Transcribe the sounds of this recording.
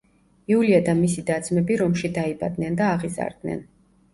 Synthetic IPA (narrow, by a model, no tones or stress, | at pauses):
iuliad̪amisid̪ad̪zmɛbiɾɔmʃid̪aiba̰d̪nɛnd̪aːʁiza̰ɾd̪nɛ̰n